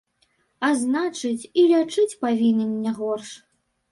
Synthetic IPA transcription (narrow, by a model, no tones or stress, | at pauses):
aznat͡ʂɨt͡sʲilʲat͡ʂɨt͡sʲpavʲinʲɛnʲːɛɣɔrʂ